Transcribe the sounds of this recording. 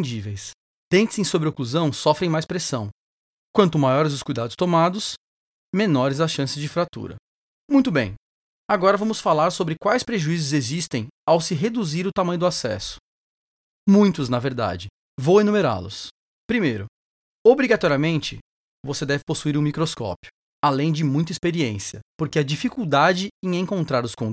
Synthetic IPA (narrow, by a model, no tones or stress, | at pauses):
d͡ʒivejs | t̪ẽnt͡ʃɪsẽj̃sobɾɪokluzɐ̃w̃sɔfɾẽj̃majspɾesɐ̃w̃ | kwɐ̃nt̪ʊmajɔɾɪzd̪ʊskujd̪ad̪ʊst̪omad̪ʊs | menɔɾɪzasʃɐ̃sɪzd͡ʒɪfɾat̪ṵɾɐ̰ | mũj̃t̪ʊbḛ̃j̃ | aɡɔɾɐvɐ̃mʊsfalaɾsobɾɪkwajspɾeʒuizʊzezist̪ẽj̃awsɪɦed̪uziɾʊt̪amɐ̃jʊd̪ʊasɛ̰sʊ̥ | mũj̃t̪ʊznɐveɾd̪a̰d͡ʒɪ | vowenumeɾa̰lʊ̰s | pɾimejɾʊ | obɾiɡat̪ɔɾiɐmẽnt͡ʃɪ | vosed̪ɛvɪposuiɾũmikɾoskɔ̰pjʊ̥ | alẽj̃d͡ʒɪmũj̃t̪ɐispeɾiẽsiɐpoɾkeɐd͡ʒifikuwd̪ad͡ʒɪẽj̃ẽŋkõnt̪ɾaɾʊskõ